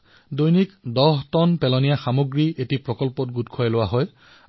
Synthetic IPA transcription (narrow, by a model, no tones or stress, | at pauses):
dojnikdɔɦtɔnpɛlɔnijaxamoɡɹiʔetipɹɔkɔlpɔtɡutkʰɔjɛlʊwaɦɔj